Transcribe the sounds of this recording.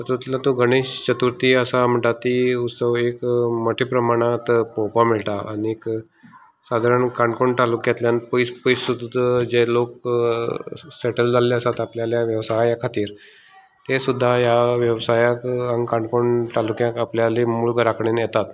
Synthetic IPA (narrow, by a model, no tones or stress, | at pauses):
t̪əɾt̪ut̪lat̪ũɡəɽ̃iɕt͡ɕət̪uɾt̪iəsam̤əɳʈ̪at̪ːiut̪səʋekməʈʰipɾəmaɽ̃at̪popamiɭʈ̪aaniek | sad̪ʱaɾəɳkaɳɖkoɳʈalukjãt̪ljanpəispəjsud̪d͡ʑelok | seʈəld͡zalːasat̪apljaljaʋjəʋsajjakʰat̪iːɾ | t̪esud̪ʱːajaʋjəʋsajakəŋɡkãɳɖkoɳʈalukjãkapljalimulɡəɾakʰɳenjɛt̪at̪